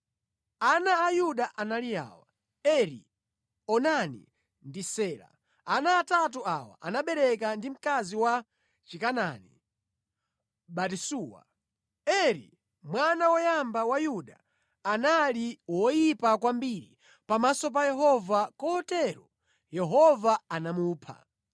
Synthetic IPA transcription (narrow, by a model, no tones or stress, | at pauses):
anaːjuɗaʔanalija̰ːwa | ɛɾḭ | ɔnanḭ | ndisɛːla̰ | anaːtatuawa̰ʔanaɓɛɾɛkandim̩kaziwa | t͡ʃikanani | ɓatisuːwa̰ | ɛɾḭ | mwanawɔjambawajuɗaː | naliwɔjipakwambiɾi | pamasɔp̬ajɛɦɔvakɔɔtɛɾɔ | jɛɦɔvaanamuːpʰa̰